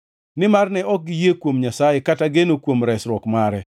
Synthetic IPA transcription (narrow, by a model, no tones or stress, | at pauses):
nɪmarnɛɔk̚ɡɪjekwomɲasajekataɡenokwomɾɛsɾwɔkmaɾɛ